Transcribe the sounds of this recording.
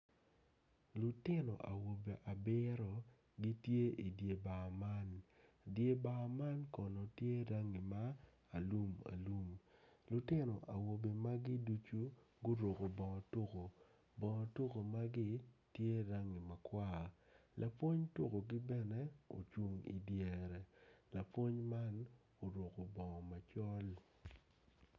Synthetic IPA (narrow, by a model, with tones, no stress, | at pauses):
lu˨tɪ˦nɔ̰˨ʔa̰˨wo˨be˨ʔa˨bɪ˦ɾɔ˨ | ɡi˦tje˦ʔi˨dje˨ba˨ma˦n | dje˨ba˨ma˦nkɔ˨nɔ˨tje˦ɾa˦ŋi˨maː˦˨ | lu˦ma̰˨lu˦mlu˨tɪ˦nɔ˨ʔa˨wo˨be˨ma˦ɡi˦du˦t͡ʃu˦ | ɡo˦ɾo˨ko˨bɔ̃˨to˦ko˨ | bɔ˨to˦ko˨ma˦ɡɪ˦tje˦ɾa˦ŋi˨ma˨kwa˦lʔa˨pwo˦ɲto˦ko˨ɡɪ˦bɛ˦nɛ˦o̰˨t͡ʃwu˦ŋḭ˨djɛ˨ɾɛ˨la˨pwo˦ɲma˦n | o˨ɾo˨ko˨bɔ˨ma˨t͡ʃɔ˦l